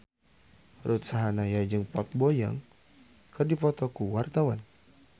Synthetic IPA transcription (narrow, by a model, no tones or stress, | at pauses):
rut̪̚saɦanajad͡ʒɨŋpɔt̪̚bɔja̰ŋ | kədipɔt̪ɔkuwart̪awan